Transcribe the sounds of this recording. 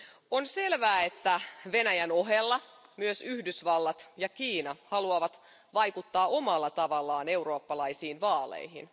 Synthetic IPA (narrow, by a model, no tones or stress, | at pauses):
onse̞lʋæːet̪ːæʋe̞næjæno̞ɦelːɑmyøsyhdysʋɑlːɑt̪jɑkiːnɑhɑluɑʋɑt̪ | ʋɑjkut̪ːɑːʔo̞mɑlːɑt̪ɑʋɑlːɑːne̞uwɾo̞ːpːɑlɑisiːnʋɑːlḛjɦḭn